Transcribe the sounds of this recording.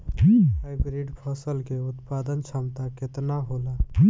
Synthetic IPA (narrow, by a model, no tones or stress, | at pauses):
ɦaɪbɾiɖpʰəsəlkeʊt̪paːd̪ənt͡ʃʰəmt̪akɪt̪naɦoːlaː